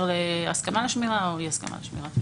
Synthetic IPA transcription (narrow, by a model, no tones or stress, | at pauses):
leaskamaleʃmiʁaojiaska̰ma̰leʃmḭʁa